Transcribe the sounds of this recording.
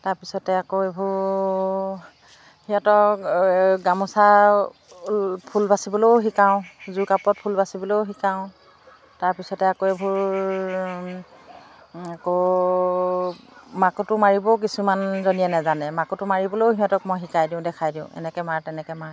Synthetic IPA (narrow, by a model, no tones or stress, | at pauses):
taɹpisɔtɛakoebʱuɹ | hiɔtɔ | ɡamɔsa | pʰulbasibɔloɦikaʊ̃zukapɔt̚pʰulbasibɔlowxikaʊ̃ | taɹpisɔtɛakoebʱuɹ | ako | makutʊmaɹibɔk̬isumanzonijɛnɛzanɛmakutʊmaɹibɔloɦiɔ̃tɔkmɔjxikajdiʊ̃dɛkʰajdiʊ̃ɛ̰nɛkɛmaɹtɛnɛkɛmaɹ